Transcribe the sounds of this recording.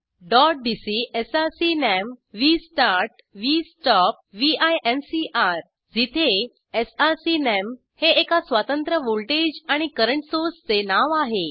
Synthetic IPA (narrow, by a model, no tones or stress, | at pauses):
ɖɔʈ̚ɖisiesaɾsinɛmʋisʈaɾʈ | ʋisʈɔp̚ʋiajensiʔaɾ | d͡zit̪ʰe | esasinem | heːkasʋat̪ənt̪ɾəʋolʈed͡ʑaɽ̃ikəɾəɳʈsost͡senaʋaɦe